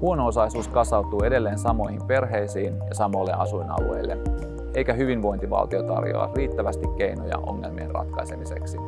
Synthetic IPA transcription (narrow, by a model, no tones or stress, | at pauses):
huonoosɑisuːskɑsɑut̪ˑuːe̞de̞lːeːnsɑmoihimpe̞rɦeisiːnjɑsɑmolːeʔɑsuinɑ̰lue̞ilːḛ | ʔejkæɦyʋinʋo̞int̪iʋɑ̰lt̪io̞t̪ɑ̰rjo̰ɑ̰riːt̪ːæʋæst̪ikkeinojɑ̰ʔo̞̰ŋːe̞lmienrɑ̰t̪kɑisemise̞̰ksi